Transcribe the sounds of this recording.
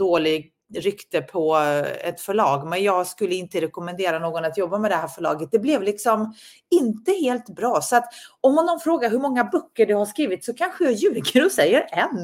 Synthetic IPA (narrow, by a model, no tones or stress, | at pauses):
d̪oːlɪɡ̚ | ɾʏkt̪əpʰɔɛ̰t̪fœɭɑːɡmɛnjɑːɡskɵlːəɪnt̪əɾɛkɔmɛnd̪eːɾanoːɡɔnat̪jɔbːamɛd̪ɛɦæːɾfœɭɑ̰ːɡət̪̚d̪ɛblɛvlɪksɔm | ɪnt̪əheːlt̪bɾɑːsɔat̪ɔmːanːɔnfɾoːɡaɾɦɵmɔŋːabœkːəɖɛhaʂkɾiːvɪt̪sɔkʰanɧəjɑjʉ̟ːɡəɾɔsɛjːəɾɛnː